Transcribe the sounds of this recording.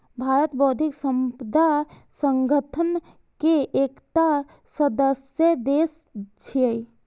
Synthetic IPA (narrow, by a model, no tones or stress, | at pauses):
bʱaɾət̪bəɦud̪ʱiksəmpəd̪ʱa | səŋɡʱət̪ʰən | keʔːkt̪a | səd̪əsjəd̪es | t͡ʃʰiəi